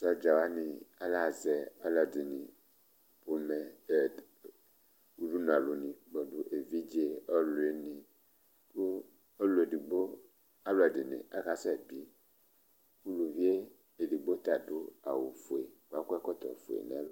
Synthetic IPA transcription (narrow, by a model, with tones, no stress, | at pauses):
sɔ˦d͡ʒa˨wa˦nĩ˨a˦la˦˨zɛ˨a˦la˨di˨nĩ˨ | po˨mɛ˨ | u˦ɖu˦n˨ã˨lo˨nĩ˨ɡ͡bɔ˨du˦ʔe˨vi˦d͡ʒe˦ɔ˦lo˨e˨nĩ˨ | ku˦ | o˦lo˨e˨di˨ɡ͡bo˦ | a˦lo˨ɛ˨di˨nḛ˨ʔa˦ka˦sɛ˦˨bi˦ | wu˦lu˨vi˦e˦ | e˨di˨ɡ͡bo˦t̪a˨do˦a̰˨wo˨fo˨e˨wa˦kɛ˦kɔ˦t̪ɔ̰˨fo̰˨ḛ˨nɛ̰˨˦lo˦